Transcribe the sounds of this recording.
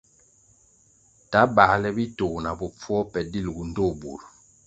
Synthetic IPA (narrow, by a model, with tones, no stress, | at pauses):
ta˨˦ba˨˦lɛ˦bi˦to˨na˨bɔ˨p͡fwɔ˦pɛ˨di˦˨lɡu˨n˦do˦˨bṵ˨ɾ